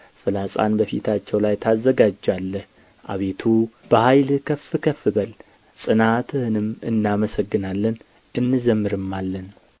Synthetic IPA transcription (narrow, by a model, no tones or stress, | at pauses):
fɨlasʼa̰nbəfit̪ʰat͡ʃːɛwlajt̪ʰazːəɡad͡ʒːalːəh | ʔa̰βe̞t̪ʰub̥əhajlkʰəfːɨkʰəfːɨbəl | sʼɨnat̪ʰɨhɨnɨmɨ̰nːaməsəɡːɨnalːən | ʔɨnːɨzəmːɨɾɨmːalːən